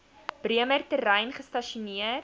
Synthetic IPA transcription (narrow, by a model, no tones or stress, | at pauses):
b̥riəmərtəɾɛjnχəstɐʃuniə